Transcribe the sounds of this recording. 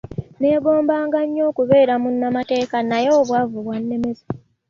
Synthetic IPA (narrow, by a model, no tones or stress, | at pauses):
ne̞ːɡo̞ːmbaːŋɡaɲːo̞ːkuβe̞ːɾamunːamate̞ːkanajeːβwaːvuβwanːe̞mezḁ